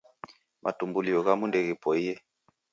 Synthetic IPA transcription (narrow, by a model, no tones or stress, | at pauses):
mʔa̰tumbuliɔɣamundɛɣɛpɔijɛ